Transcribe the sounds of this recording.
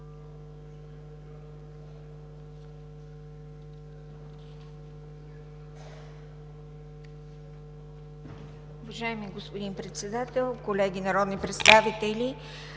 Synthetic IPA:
ʊvɐʒaɛmiɡospod̪inpɾɛt̪sɛd̪at̪ɛlˠkolɛɡʲinɐɾɔd̪nipɾɛt̪st̪avit̪ɛlʲi

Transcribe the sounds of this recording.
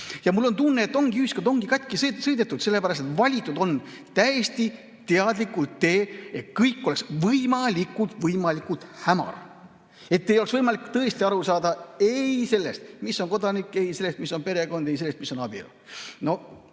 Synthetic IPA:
jɑmulːo̞nt̪unːeːt̪ːˑo̞ŋɡ̥iyhiskɑd̪o̞ŋɡ̥ikɑt̪ʲˑkissɤjd̪et̪ːˑud̪̥se̞lːe̞pæɾɑst̪et̪vɑlʲit̪ːˑud̪̥o̞n | t̪æjest̪i | t̪eɑd̪likːˑult̪ːe̞ːet̪̚kɤjkːo̞le̞ksvɤjmɑlikːˑult̪vɤjmɑlikut̪hæmɑ̰r | e̞t̪ːejoeksvɤjmɑlikːt̪ɤ̞est̪iɑɾusɑːd̪ɑe̞jse̞lːest̪̚misːo̞nko̞d̪ɑnikːˑe̞jse̞lːest̪misːo̞npe̞ɾe̞ɡo̞nd̪e̞jselest̪̚miso̞nɑb̥ḭl | no̞

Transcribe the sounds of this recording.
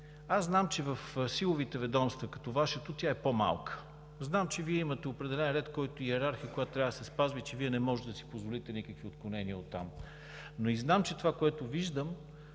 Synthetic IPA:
aznamt͡ʃɛvəfsilˠovit̪ɛvɛd̪ɔmst̪vɐkɐ̥t̪ɔvaʃət̪ot̪ʲjaɛpoma̰lˠkə̥ | znamt͡ʃɛviɛimət̪ɛopɾɛd̪ɛlɛnɾɛt̪kɔjt̪ʊiɛɾaɾxijəkojat̪t̪ɾʲavd̪sɛspazvit͡ʃɛviɛnɛmɔʒɛt̪ɛd̪ɐsi̥pozvolit̪ɛnikəkviot̪̚klˠʊnɛniəot̪ːa̰m | noiznamt͡ʃɛt̪ovakoɛt̪ʊviʒd̪əm

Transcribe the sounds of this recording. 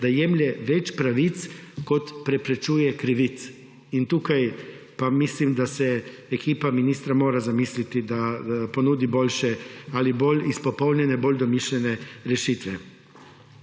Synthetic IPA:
d̪ajɛmlʲɛʋɛt͡ʃpɾaʋit̪skot̪pɾɛpɾɛt͡ʃuːjɛkɾiʋit̪s | int̪uːkaj | pamislimd̪asɛ | ekiːpaminist̪ɾamoːɾazamiːslit̪id̪aponuːd̪ibolʲʃɛalibolʲispopowlnɲʲjɛnɛbolʲd̪ɔmiʃlʲɛnɛɾɛʃiːt̪ʋɛ

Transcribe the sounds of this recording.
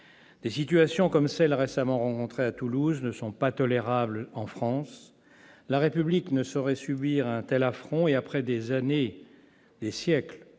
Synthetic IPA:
d̪̥esit̪yasjɔ̃kɔmsɛlʁesamɑ̃ʁɑ̃kɔ̃t̪χeat̪uluznəsɔ̃pat̪ɔleʁablɑ̃fχɑ̃s | laʁepybliknəsɔʁɛsybiʁɛ̃t̪ɛlafχɔ̃eapχɛd̪ezane | d̪esjɛkl

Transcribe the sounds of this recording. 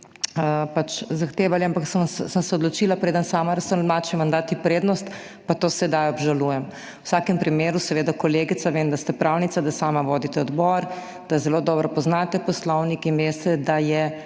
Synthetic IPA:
əpat͡ʃzaxt̪eːʋaliampakssəmsɛɔd̪lɔt͡ʃiːlapɾeːd̪ənsaːmaɾɐsəmat͡ʃɛmand̪aːt̪ipɾeːd̪nɔst̪ | pat̪oːsɛd̪ajɔbʒalujɛm | wsaːkɛmpɾimeːɾusɛʋeːd̪akɔleːɡit̪saʋemd̪ast̪ɛpɾawnit̪sad̪asaːmaʋoːd̪it̪ɛɔd̪bɔɾ | d̪̥azɛloːd̪ɔːbɾɔpɔznaːt̪ɛpɔslɔwnikinʋest̪ɛd̪ajɛ

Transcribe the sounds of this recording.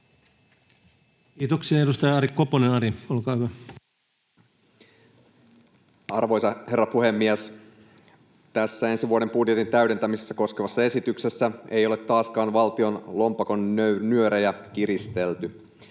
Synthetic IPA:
kiːt̪oksiɑeɾust̪ɑjɑɑɾikkːoponenɑɾiolkɑːhyʋæ | ɑrʋo̞jsɑhe̞rːɑpuhe̞mːies | t̪æsːæe̞nsiʋuoɾe̞mpudjet̪int̪æyɥɾe̞nt̪æmisesːæko̞skeʋɑsːɑe̞sit̪ykse̞sːæe̞jo̞le̞t̪ːɑːskɑːnʋɑlt̪io̞nlo̞mpɑkonønyøɾejækiɾist̪e̞lt̪y

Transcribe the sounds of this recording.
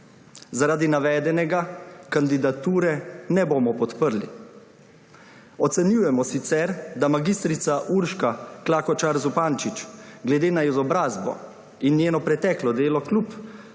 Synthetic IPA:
zaɾaːd̪inaʋɛːd̪ɛnɛɡakand̪id̪at̪uːɾɛnɛboːmɔpɔt̪pəɾli | ɔt̪sɛnjuːjɛmɔsit̪sɛɾd̪amaɡist̪ɾit̪saʔuɾʃkaklaːkɔt͡ʃaɾzupaːnt͡ʃit͡ʃɡlɛd̪eːnaizɔbɾaːzbɔ̰ | inːjeːnɔpɾɛt̪ɛklɔd̪eːlɔklup

